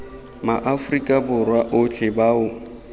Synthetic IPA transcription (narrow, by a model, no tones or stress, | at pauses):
maʔafrikʼabʊrwaʔʊt͡ɬʰʼɪbaʊ